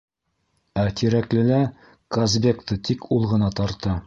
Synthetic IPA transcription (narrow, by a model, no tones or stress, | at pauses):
æt̪ʰiɾæklɘ̆læ | kozbʲekt̪ɤt̪ikulˠʁɤ̆nɑt̪ɒɾt̪ɤ